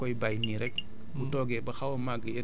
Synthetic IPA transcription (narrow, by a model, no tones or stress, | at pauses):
kɔjbajniɾɛk̚ | butɔɡɛbɐxawomaɡəjɐ